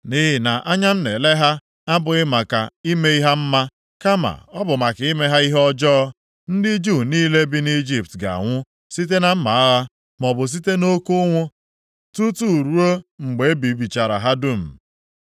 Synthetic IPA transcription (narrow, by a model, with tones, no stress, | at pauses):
ni˦ɦɪ˨na˨ʔa˦ɲa˦n̩˦ne˨le˦ɦa˦ | a˦bʊ˨ɪ˦ma˨ka˨i˦me˦i˦ɦa˦m̩˦ma˦ | ka˦ma̰˨ɔ˦bʊ˨ma˨ki˦me˦ɦa˦i˦ɦɔ˦d͡ʒɔː˦ | n̩˦dɪ˦d͡ʒu˦˨niː˦le˦bi˦ni˦d͡ʒi˦p̚tɡa̰˨a̰˨ŋʷʊ˦ | si˦t̬e˦na˦m̩˦ma˨a˦ɣa˦ | mɔ˨bʊ˨s̬i˦te˦no˦kʊ˦ŋʷʊ˦ | tu˦tu˦˨ɾu˦o˦ŋ͡m̩˨ɡ͡be˨˦bi˨˦bi˨t͡ʃa˨ɾa̰˨ɦa˦dʊ˦m̩˨